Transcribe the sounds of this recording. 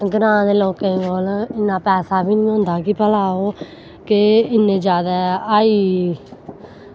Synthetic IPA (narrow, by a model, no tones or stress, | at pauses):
ɡənãːd̪eːloːkẽːɡoːlɪnːãːpɛːsaːbiːnĩːɦõnd̪aːkipəlaːoː | kɪɪnːẽːd͡ʒjaːd̪aːaːiː